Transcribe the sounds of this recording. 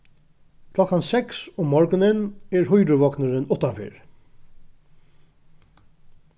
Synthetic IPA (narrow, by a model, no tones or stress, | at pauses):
kʰlɔkːansɛksoːmɔɹɡənənæːɹhʊjɾəʋɔknəɹɪnʊt̪ːanfḛːɹ